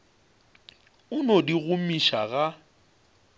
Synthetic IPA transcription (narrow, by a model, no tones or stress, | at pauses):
ʊnodiɣʊmiʃaɣa